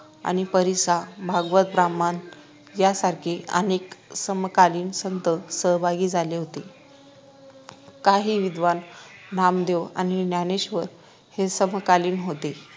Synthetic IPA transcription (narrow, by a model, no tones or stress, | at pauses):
a̰ñipəɾisabʱaɡʋət̪̚bɾamːan | jasaɾkʰeə̰neksəmkaliːnsənt̪əsəɦbʱaɡiːd͡zʱaleɦot̪e | kaɦiːʋid̪ʱʋannamd̪ewa̰ñinjaneɕʋəɾ | hesəmkaliːnɦot̪e